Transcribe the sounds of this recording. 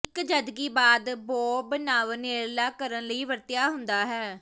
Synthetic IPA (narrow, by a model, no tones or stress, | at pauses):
ɪkd͡ʒəd̪ɡiːbaːd̪boːbənaːʋəneːɾlaːkəɾənləiːʋəɾt̪jaːɦʊnd̪aːɦɛː